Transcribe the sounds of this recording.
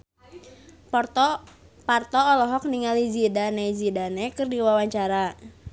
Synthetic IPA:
ptpart̪ɔːlɔɦɔk̚niŋalid͡ʒidanezidanɛkɨrdiwawaɲt͡ʃaɾa

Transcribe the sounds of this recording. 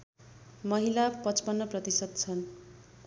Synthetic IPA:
mʌɦilapʌt͡spʌnːʌprʌt̪isʌd̪̚t͡sʰʌn

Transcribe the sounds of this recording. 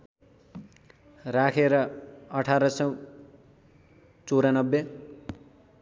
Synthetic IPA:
rakʰeɾʌʌʈʰaɾʌsʌw | t͡soɾanʌbːe

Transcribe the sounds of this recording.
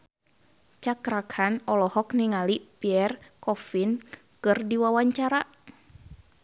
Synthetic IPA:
t͡ʃakɾakʰanɔlɔhɔk̚niŋalipiɛrkɔfin | kɨrdiwawaɲt͡ʃaɾa

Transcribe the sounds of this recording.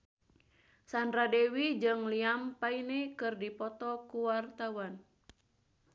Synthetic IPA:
sandɾadewid͡ʒɨŋliampainɛkɨrdipɔt̪ɔkuwart̪awan

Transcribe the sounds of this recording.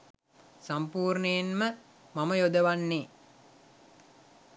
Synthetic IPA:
sampuːrnəjenmə | maməjod̪əʋanːeː

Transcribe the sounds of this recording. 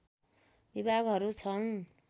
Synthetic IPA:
bibʱaɡɦʌɾut͡sʰʌn

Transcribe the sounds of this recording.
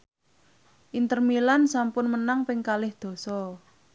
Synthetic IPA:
ʔint̪ərmilansampʊnmənaŋpɪŋkalɪhd̪̥o̤sɔ

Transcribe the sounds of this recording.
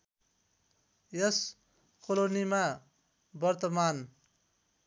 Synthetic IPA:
jʌs | kʰolonima | bʌɾt̪ʌman

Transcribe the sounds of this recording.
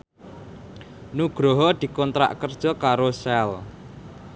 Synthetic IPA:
nuɡ̥ɾɔɦɔd̪̥i̤kɔnt̪ɾa̰ʔkərd̥ʒ̥ɔ̤kaɾosɛl

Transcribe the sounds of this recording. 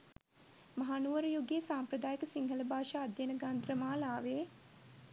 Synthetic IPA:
mɐɦanuʋəɾəjoɡesaːmpɾəd̪aːjəkəsiŋɦələbʱaːʃaːd̪jənəɡand̪ɾəmaːlaːʋeː

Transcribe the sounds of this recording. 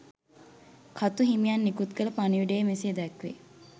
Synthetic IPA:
kʰat̪uɦimijanːikut̪kələpaniʋiɖəjmesijed̪ɛkʋḛ

